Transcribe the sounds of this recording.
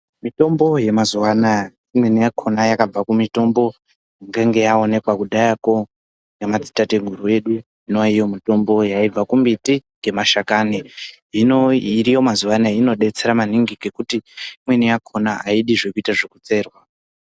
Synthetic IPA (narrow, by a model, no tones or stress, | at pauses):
mito̞mbo̞je̞mazuwana | imwe̞nijakʰo̞najakab͡vakumito̞mbo̞ | ŋɡeŋɡe̞jaone̞kwakuɗajako̞ | ŋɡemat͡si̥tate̞ɡʱuɾue̞ɗu | inoijo̞mito̞mbo̞jaib͡vakumbitiŋɡe̞maʃakani | inoirijo̞mazuʋanaino̞ɗe̞t͡se̞ɾamaniŋɡiɡe̞kutiimwe̞nijakʰo̞naaiɗiʐe̞kuitaʐekut͡se̞ːrwa